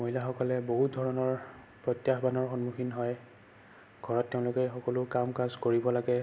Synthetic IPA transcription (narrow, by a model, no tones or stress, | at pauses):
moɦilaxɔkɔlɛboɦut̚dʱɔɹɔnɔɹ | pɹɔtjaxbanɔɹxɔnmuxʰinɦɔj | ɡʱɔɹɔtːeʊ̃lʊkɛxɔkɔlʊkamkazkoɹibɔlaɡɛ